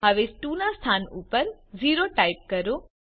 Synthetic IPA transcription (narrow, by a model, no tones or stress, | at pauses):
ɦəʋesʈunast̪ʰanupəɾd͡ʒiɾoʈaip̚kəɾõ